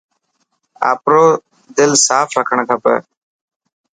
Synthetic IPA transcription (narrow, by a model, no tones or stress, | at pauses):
a̰ːpɾoː | d̪ɪlsaːfʰɾəkʰəɳ̃kʰaːpə̰